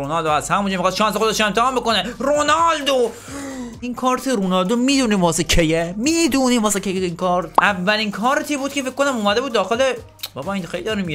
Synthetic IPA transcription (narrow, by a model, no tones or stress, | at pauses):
onɒld̪oæst̪hæmund͡ʒɔːmixɑːsʃɒːnsexod̪eʃemt̪ehɑːmbekoneɾonɒːld̪o | inkʰɒːɾt̪ʰiɾonɒld̪omiːd̪uniːmvɒːsekʰejemiːd̪uniːmvɒːsekʰʲejeinkʰɒːɾt̪ʔævːælinkʰɒːɾt̪ʰibuːd̪̚kʰefekːonæmuːmæd̪e̞buːd̪ːɒːxele | bɒːbɒːinxejlid̪ːɾimi